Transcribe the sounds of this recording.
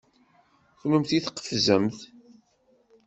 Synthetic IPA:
çləmθiθqːə̥fzəmθ

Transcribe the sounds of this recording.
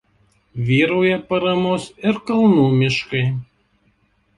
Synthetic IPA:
ʋʲiːɾoːjɛpɐɾɐmoːsɪɾkɐlˠnuːmʲɪʃkɐɪ

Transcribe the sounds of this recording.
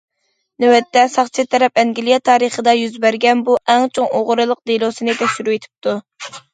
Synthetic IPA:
newɛt̪ːɛsɑχt͡ʃʰɨt̪ʰɛɾɛpɛŋɡʲilˠijɛt̪ʰɑːɾəχəd̪ɑjyzbæɾɡʲɛnbuʔɛŋt͡ʃʰoŋoʁɾɨlˠəq̚d̪elˠosɨnɪt̪ʰɛkʲʃyɾuet̪ʰɪ̥p̚t̪ʰu

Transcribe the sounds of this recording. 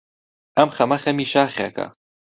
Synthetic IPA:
ɐmxɐmɐxɐmiːʃaːxa̰kʰɐ̰

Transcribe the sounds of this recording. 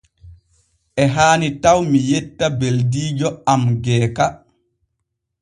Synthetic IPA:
ʔɛɦaːnitawmijɛtːabeldiːd͡ʒɔamɡɛːka

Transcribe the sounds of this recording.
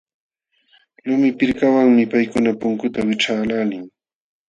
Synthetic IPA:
lʊmɪpɪɾkawaŋmɪpajkʊnapʊŋkʊt̪awɪʈ͡ʂaːlaːlɪŋ

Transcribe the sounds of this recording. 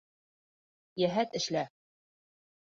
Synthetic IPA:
jæɦæt̪ɘ̆ʃlæ

